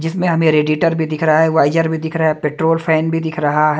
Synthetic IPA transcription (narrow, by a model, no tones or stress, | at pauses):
d͡ʒɪsmẽɦɐmẽɾeːɖiːʈəɾbʱid̪ɪkʰɾɐɦaɦɛʋaːɪd͡ʒəɾbʱid̪ɪkʰɾɐaɛpeːʈɾoːlpʰɛːnbʱid̪ɪkʰɾɐɦaɦɛ